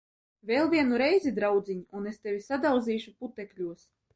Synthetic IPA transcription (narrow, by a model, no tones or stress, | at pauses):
vʲelˠvʲiɛnuɾɛjzʲid̪ɾawd̪zʲiɲiunest̪evʲisad̪awd̪ziːʃuput̪ɛkʲlʲuɔs